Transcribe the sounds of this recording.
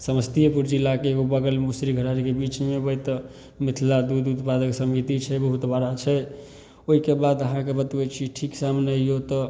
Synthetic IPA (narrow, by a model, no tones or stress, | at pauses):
səməst̪iepuɾd͡ʒilːakeːɡobəɡəlmusɾiɡʱəɾaɾikebit͡ʃmebəjt̪ | mit̪ʰlad̪ud̪ut̪pad̪əksəmɡit̪it͡ʃʰɛbəɦut̪baɾat͡ʃʰɛ | oɦikebad̪əɦãkebət̪bət͡ʃʰiʈʰiksamneijot̪ɔ